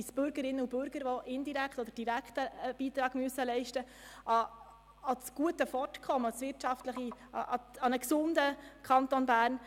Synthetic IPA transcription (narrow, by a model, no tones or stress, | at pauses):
isb̥ʏɾɡəɾɪnːəubʏɾɡ̥əɾʋɔʔɪnd̪iɾækʰt̪ɔd̪əɾd̥iɾækχtəb̥iːt̪ɾɑːɡ̥myəsəlɛɪʃtə | ʔɑ | ɑsɡ̥uətəfɔrtkʰɔməɑsʋɪrtʃɑftləχiɑɑnəksʊnd̪əkʰɑnt̪onbæːɾn